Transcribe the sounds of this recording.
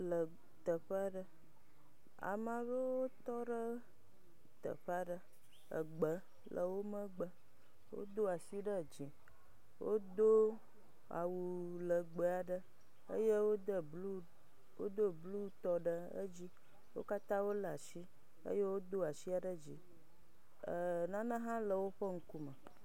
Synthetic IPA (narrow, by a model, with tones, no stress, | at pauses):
lə˨ | t̪ə˨ɸə˦a˦ɖə˦ | a̰˨mã˨βə˦wo˦t̪ɔ˦ɖə˦ | t̪ə̰˨ɸa˦ɖə˦ | ə̰˨ɡ͡bə˦ | lə̰˨wo˦mə˦ɡ͡bə˨ | wo̰˦d̪o˦a˨si˦ɖə˦d͡ʒĩ˨ | wo̰˦d̪o˦ | a̰˨wu˨lə˨ɡ͡bə˦a˨ɖə˦ | ə̰˦je˦wo˦d̪ə˨blu˦ | wo̰˦d̪o˦blu˦t̪ɔ˦ɖə˦ə̰˦d͡ʑi˦ | wo̰˦ka˦t̪ã˦wo˦lə˨a˨si˦ | ə̰˦je˦wo˦d̪o˦a˨si˦a˨ɖə˦d͡ʑi˨ | ə˨nã˦nə̃˦ɦã˦lə˨wo˦ɸə˦ŋ̩˦ku˦mə˨